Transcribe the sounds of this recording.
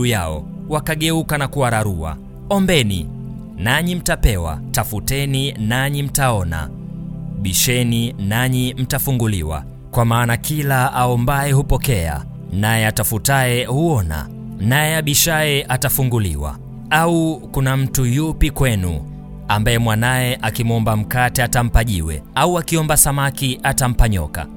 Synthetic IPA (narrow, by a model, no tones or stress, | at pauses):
ujaɔ̰ | wakaɠɛukanakuwaɾaɾua̰ | ɔmbɛnḭ | naɲim̩tapɛwa̰tafutɛninaɲim̩taɔna̰ | ɓiʃɛninaɲim̩tafuŋɡuliwa̰ | kwamaːnakilaaɔmbaɛhupɔkɛa̰ | najɛatafutaɛhuɔna̰ | najɛaɓiʃaɛʔatafuŋɡulḭwa̰ | aukunam̩tujupikwɛnṵ | ambaɛmwanajɛʔakimuɔmbam̩katɛatam̩paʄiwɛ̰auakiɔmbasamakiʔatam̩paɲɔ̰ka̰